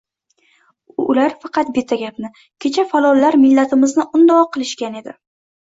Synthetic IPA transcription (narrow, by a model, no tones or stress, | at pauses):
ʊlaɾfɑqʰɑt̪̚bɪt̪ʰːaɡʲapnɪ | kʲʰe̞t͡ʃʰafalˠɒlːaɾmɪlːat̪ʰɪmɪznɪʔʊnd̪ɒqʰɨlˠɪʃkʲane̞d̪ɪ